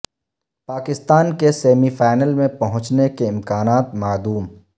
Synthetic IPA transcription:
paːkɪst̪aːnkeseːmifaːɪnəlmẽpɐɦʊ̃t͡ʃnekeɪmkaːnaːt̪maːd̪uːm

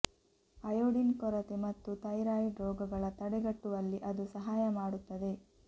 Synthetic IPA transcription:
ɐjoːɽinkɔɾɐt̪emɐt̪ːut̪ɐjɾaːjiɖɾɔːɡɐɡɐɭɐt̪ɐɽɛɡɐʈːuʋɐlːiʔɐd̪usɐɦaːjɐmaːɽut̪ːɐd̪e̞

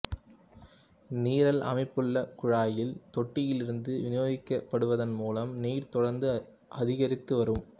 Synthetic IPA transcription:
niːɾɐlʔɐ̰mɐɪpːɯɭːɐkʊɻaːjɪlt̪ɔʈːɪjɪlɪɾɯnd̪ɯʋɪnɪjoːɣɪkːɐpːɐɽɯʋɐðɐnmuːlɐmniːɾt̪ɔɽɐɾnd̪ɯ | ʔɐðɪɣɐɾɪt̪ːɯʋɐɾɯm

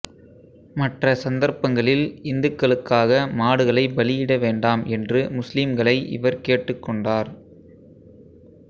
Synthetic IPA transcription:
mɐʈrɐsɐnd̪ɐɾpɐŋɡɐɭɪlɪnd̪ɯkːɐɭɯkːaːɣɐmaːɽɯɣɐɭɐɪbɐlɪjɪɽɐʋeːɳɖaːmʔɛndrɯmʊslɪmɡɐɭɐɪʔɪ̰ʋɐɾkeːʈːɯkːɔɳɖaːɾ

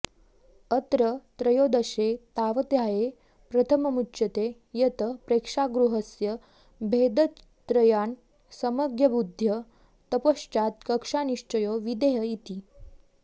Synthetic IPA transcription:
ət̪ɾət̪ɾəjod̪əɕet̪aʋət̪jaje | pɾət̪ʰəməmutːɕət̪e | jət̪əpɾekʂaɡɾuɦəsjə | bʱed̪ə | t̪ɾəjan | səməɡjəbud̪ʱjə | t̪əpoʂt͡ʃat̪kəkʂaniʂt͡ʃəjoʋid̪eɦəjit̪i

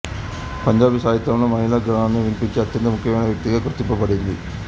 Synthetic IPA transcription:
pɐɲd͡ʒaːbisaːjit̪ːɾɐʋɐnːɐmɐɦilaɡɾaɳɐnːeʋiɳpit͡ʃːɨɐt̪jɐnd̪ɐmukʰːjɐmeːɳɐʋjɐk̚t̪iɣɐkɾɐt̪ːimpːɐpɐɽejind̪i

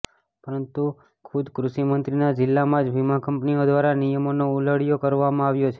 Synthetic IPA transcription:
pəɾənt̪u | kʰud̪kɾuʃimənt̪ɾinad͡ʒɪlːamãd͡ʒʋimãkəmpniod̪ʋaɾanijəmonouləɽjokəɾʋamãaʋjot͡ʃʰe

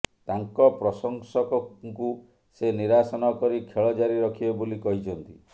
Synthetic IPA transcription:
t̪aŋkɔpɾɔsɔŋsɔkɔŋku | seniɾasɔnɔkɔɾikʰeɭɔd͡ʒaɾiɾɔkʰibɔbolikɔɦit͡ʃʰɔnt̪i

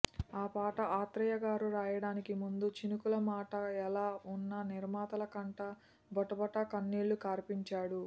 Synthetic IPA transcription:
aːpaːʈɐaːt̪ɾɐjɐɡaːɾuɾaːjɐɽaːnikimund̪ut͡ʃinukulɐmaːʈɐɛlaːunːɐniɾmaːt̪ɐlɐkɐɳʈɐ | bɔʈɐbɐʈɐkɐnːiːlːukaːɾpiɲt͡ʃaːɽu

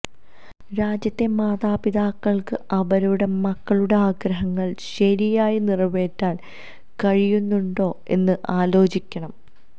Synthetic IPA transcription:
ɾaːd͡ʑjɐt̪ːe̞maːðaːpiðaːkːɐɭkɨʔɐʋɐɾuɽe̞mɐkːɐɭuɽe̞aːɡɾɐɦɐŋːɐɭɕɐɾijaːjinirɐʋe̞ːtːaːl | kɐɻijunːuɳɖo̞ːe̞nːɨʔaːlo̞ːt͡ɕikʲːɐɳɐm

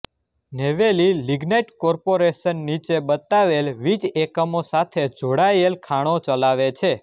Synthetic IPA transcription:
neʋeliliɡnejʈkɔɾpoɾeʃənːit͡ʃebət̪aʋelʋid͡ʒekəmosat̪ʰed͡ʒoɽajelkʰaɽ̃ot͡ʃəlaʋet͡ʃʰe

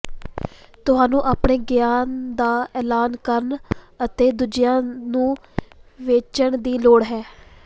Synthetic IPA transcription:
t̪ʊɦaːnũːʔaːpɳeːɡjaːnd̪aːɛːlaːnkəɾn | ət̪eːd̪ud͡ʒɪjãːnũː | ʋeːt͡ʃəɳd̪iːloːɽɦɛː

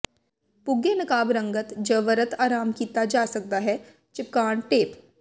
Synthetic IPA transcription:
pʊɡjenɐkaːbɾə̃ŋɡət̪d͡ʒəʋəɾət̪aːɾaːmkiːt̪ad͡ʒaːsɐk̚d̪aɦɛ | t͡ʃɪp̚kaːɳʈeːp

